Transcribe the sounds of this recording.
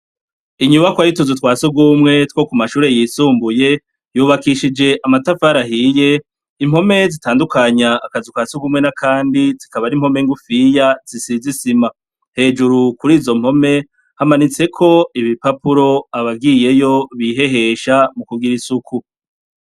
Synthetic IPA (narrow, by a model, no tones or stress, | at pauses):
iɲuβakwajituzutwaːsuɡumŋe̞two̞kumaʃuːɾe̞jiːsuːmbuje̞ | juːβakiʃid͡ʒe̞ʔamatafaɾaɦiːje̞ | im̥ho̞me̞zitaːndukaɲaːkazitkwaːsuɡumŋenakʰaːndizikaβaɾim̥ho̞meŋɡufijaz̥isizisima | he̞ːd͡ʒuɾukuɾiːzo̞m̥ho̞me̞ | hamanit͡se̞kʰo̞iβipapuɾo̞aβaɡije̞jo̞βiɦe̞ɦe̞ʃamukuɡiɾisuku